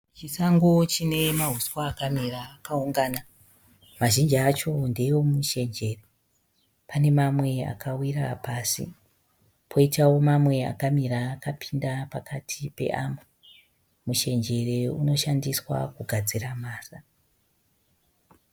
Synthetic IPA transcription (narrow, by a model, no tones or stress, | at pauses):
t͡ʃisaŋɡot͡ʃine̞maɦuswaːkamiraːkauŋɡaːna | maʒind͡ʒiat͡ʃo̞nde̞jo̞muʃe̞nd͡ʒe̞re | pʰane̞mamwe̞a̰kʰawira̰paːsḭ | pʰo̞itawo̞mamwe̞a̰kamiraːkapʰi̥ndapakʰatʰipe̞̰ʔamu | muʃe̞nd͡ʒe̞re̞uno̞ʃandiswa̰kuɡʱad͡ziramaːsa